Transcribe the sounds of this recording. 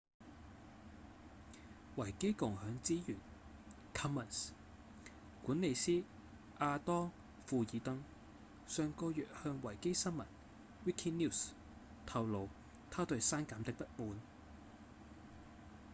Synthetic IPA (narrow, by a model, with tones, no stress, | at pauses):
wɐ˨˩jke˥jkʊ˨˩ŋhœː˨˧ŋt͡siː˥jyː˨˩n | kʰɐ˥mːɐ˨˩ns | kuː˨˥nle˨˧jsiː˥ | ʔaː˧t̪ɔː˥ŋ | fuː˧jiː˨˧t̪ɐ˥ŋ | sœː˨˧ŋkɔː˧jœ̰ː˨t̚hœː˧ŋwɐ˨˩jke˥jsɐ˥nmɐ˨˩n | wiː˥kʰiː˥ni˥˩s | t̪ʰɐ˨wlo˨˧w | t̪ʰaː˥t̪ɵ˧ɥsaː˥nkaː˨˥mt̪ɪ˥k̚pɐ˥t̚muː˨˧n